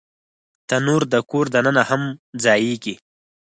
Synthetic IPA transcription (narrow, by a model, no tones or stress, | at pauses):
t̪anuɾd̪əkoɾd̪anənahamd͡zɑjeɡi